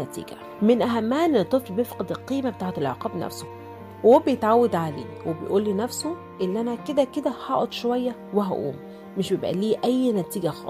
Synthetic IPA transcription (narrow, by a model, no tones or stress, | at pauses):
æt̪ḭːɡæ̰ | menʔæɦæmːæːnt̪ˤːeflbjefqed̪elqiːmæbet̪aːʕet̪elʕeqɑːbnæ̰fso̥ | whoːbejet̪ʕawːæd̪ʕalḛːwebejʔuːlːiːnæfso | ʔelːʔænæked̪æked̪æhɑːʔd̪ˤʃowæjːæweɦæ̰ʔṵːmː | eʃbjebʔæ̰liːʔæjːnæt̪iːɡæxɑ̰ːˤ